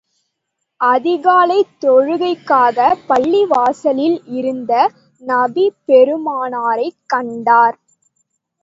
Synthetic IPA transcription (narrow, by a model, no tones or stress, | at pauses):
ʔɐðɪɣaːlɐɪt̪ːɔɻɯɣɐɪkːaːɣɐpɐɭːiʋaːsɐlɪlɪɾɯnd̪ɐ | nɐbipɛɾɯmaːnaːɾɐɪkːɐɳɖaːɾ